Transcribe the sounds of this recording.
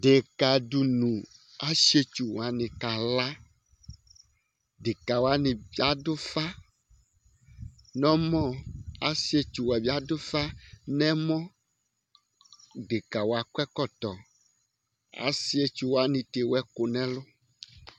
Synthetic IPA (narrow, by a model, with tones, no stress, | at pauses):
ɖe˨ka˨ɖu˨nũ˨ | a˦ʃe˦t͡ʃu˨wa˨nĩ˨ka˨la˦ | ɖe˨ka˨wo˦a˦nĩ˨bi˦a˦ɖo˦fa˦ | nɔ̃˦mɔ̃˦a˦si˦e˦t͡ʃu˨wɛ˨bi˦a˦do˦fa˦nɛ̃˦mɔ̃˦ | ɖe˨ka˨wo˨a˨kwɛ˦kɔ˦t̪ɔ˨ | a̰˦si˦e˦t͡ʃu˨wo˦a˦nĩ˨t̪e˨wɛ˦ko˨nɛ̃˦lo˦